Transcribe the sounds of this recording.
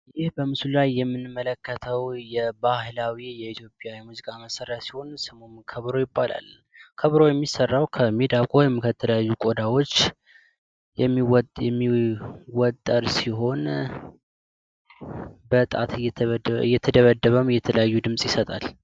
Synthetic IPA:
jɪhbəmɨsulajːɛmːɨnmːələkːət̪ʰəwjɛbahlawijɛit̪ʰjo̞pʼjawimuzikʼaməsəɾɛtsiho̞nsɨmomkʰəβɾo̞jɪbːala̰l | kʰəβɾo̞jɛmːisərːawkʰəmed̪akʼojɛmkʰət̪ʰːələjajːukʼod̪awo̞t͡ʃː | jɛmːiwjɛmːiwɔt̪ʼːəɾsiɦo̞n | bət̪ʼat̪ʰɨ̰jːɛt̪ʰəd̪əβəd̪ːəβəmjɛt̪ʰələjajːud̪ɨmsʼjɪsət̪ʼal

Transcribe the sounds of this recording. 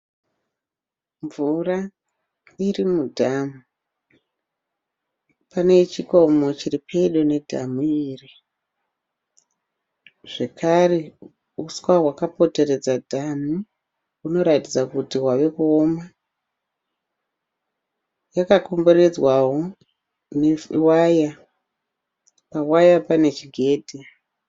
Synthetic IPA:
ɱvura | irimudʱamu | pane̞t͡ʃiko̞mo̞t͡ʃiripʰeiɗo̞ne̞dʱa̰muiːri | ʐ̥e̞kʰare̞ | uskwaɦwakapo̞te̞re̞d͡zadʱanu | uno̞ɾatid͡zakutiɦwaʋe̞kuoma | jakakombured͡zwaɦo | newaja | pawajapane̞t͡ʃiɡʱe̞ːdʱi

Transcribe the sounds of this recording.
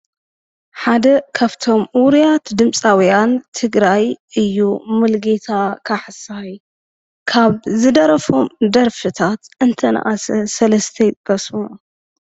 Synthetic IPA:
ħad̪ɐkʰaβt̪ʰo̞mwʊɾijat̪d̪ɨmsʼawjant̪ʰɨɡɾajɨjːumɨlɡet̪ʰakʰaħɨsaj | kʰaβzɨd̪ɐɾɐfo̞md̪ɐɾfɨt̪ʰat̪ʔɨnt̪ʰɐna̰ʔasɐsɐlɐst̪ʰɐjt̪ʼbɐsu

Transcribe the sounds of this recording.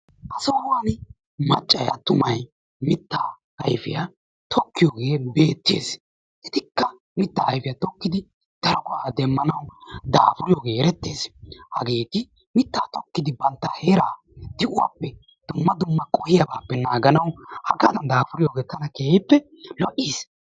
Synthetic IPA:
ʔɐsɔwawaːn | mɐt͡ʃʼːɐja̰t̪ʊmɐj | mɪt̪ːaː | hɐjfɪja | t̪ʰɔkːɪjoːɡeːbe̞ːt̪ːḛːs | ʔɪt̪ɪkːɐ | mɪt̪ːahɐjfɪjat̪ɔkːɪd̪ɪ | d̪̥ɐɾɔkʊʔaːd̪ɛmːɐnɐwd̪a̰ːfʊɾɪjoːɡeːɛɾɛt̪ːeːshɐɡeːt̪ɪ | mɪt̪ːaːt̪ɔkːɪd̪ɪbɐnt̪ːɐheːɾaː | d̪̥ɪʔʊwa̰ːpːɛ | d̪̥ʊmːɐd̪ʊmːɐkʼɔhɪjɐbaːpːɛnaːɡɐnɐwhɐɡaːd̪ɐnd̪aːfʊɾɪjoːɡeːt̪ɐnɐkehɛpːɛ | lɔʔːiːs

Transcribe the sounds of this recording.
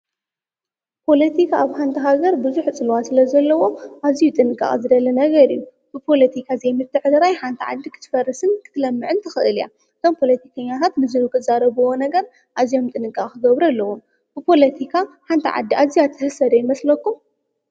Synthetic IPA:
pʰo̞lɐt̪ʰikʰaːβħant̪ʰɐɦaɡɐɾbɨzuħt͡sʼɨlwat̪sɨlɐzɐlːɐwo̞ʔaβzijut̪ʼɨnɨkʼa̰χʼizɨd̪ɐlɐnɐɡɐɾɨjːu | bɨpʰo̞lɐt̪ʰikʰazɐjmɨt̪ʰːɨʕɨd̪ɾajħant̪ʰiʕa̰d̪ːikʰɨ̥t̪ʰɨ̥fɐrːɐsɨnkʰɨ̥t̪ʰɨlɐmːɨʕɨnt̪ʰɐxɨʔɨlija̰ | ɨt̪ʰo̞mpʰo̞lɐt̪ʰikʰɐɲːat̪ʰat̪mɨzɨɾukʰɨt̪zaɾɐβɨwo̞nɐɡɐɾ | ʔaβzijo̞mt̪ʼɨnɨkʼːakʼkʰɨɡɐβɾalːɐwum | b̥ɨpʰo̞lɐt̪ʰikʰaħant̪ʰiʕa̰d̪ːiʔazijat̪ʰɨhɨsɐd̪ɐjɪmɐslɐkːum

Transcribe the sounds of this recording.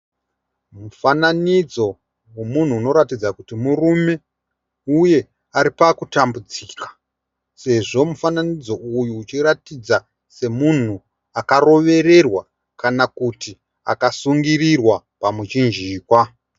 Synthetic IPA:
mufananid͡zo̞ | wemun̤uːno̞ɾatid͡zakutimurume̞ | uje̞ | aɾipakutambud͡ziːkḁ | se̞ʐo̞mufananid͡zo̞ujuːt͡ʃiɾatid͡za | se̞mun̤u | akaro̞ʋe̞ɾe̞rwa | kanakuti | a̰kasuŋɡirirwa | pamut͡ʃind͡ʒiːkwa

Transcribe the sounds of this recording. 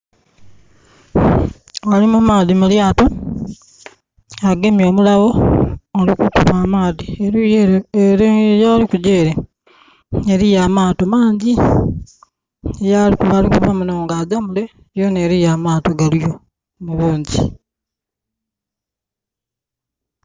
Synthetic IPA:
alimumaːðimuljaːto | aɡe̞mjo̞ːmulawo̞ː | likukuβaːmaːðie | jaːlikuɟeːɾe | eɾijamaːto̞maːɲɟi | ejalikuβalikuβamunoːŋɡaːɟamule̞ | jone̞ːɾijaːmaːto̞ɡalijo̞ | muβuːɲɟi

